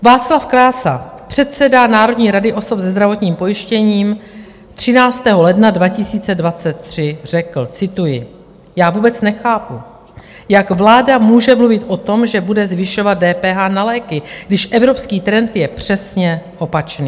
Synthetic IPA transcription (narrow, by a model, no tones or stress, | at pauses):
vaːt͡slafkɾaːsa̰pr̥ɛt̪̚sɛdanaːɾo̞dɲiːɾadɪʔo̞so̞pzɛzd̪ɾavo̞t̪ɲiːmpo̞jɪʃcɛɲiːm | t̪r̝̥ɪnaːt͡st̪ɛːɦo̞lɛdnadvacɪsiːt͡sɛdvat͡sɛt̪̚ːr̥ɪr̝̥ɛkl̩t͡sɪt̪ujɪ | jaːvuːbɛt͡snɛxaːpu | jakvlaːdamuːʒɛmluvɪt̪ʔo̞t̪o̞mʒɛbudɛzvɪʃo̞vat̪̚dɛːpɛːɦanalɛːkɪɡdɪʃʔɛvɾo̞pskiːt̪ɾɛnt̪jɛpr̝̥ɛsɲɛʔo̞pat͡ʃniː